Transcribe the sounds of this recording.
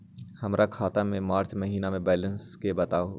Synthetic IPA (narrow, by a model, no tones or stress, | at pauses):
hɐmɾʔakʰaːt̪amẽmaːɾt͡ʃmɐɦiːnamẽbɛːlə̃nskebɐt̪aː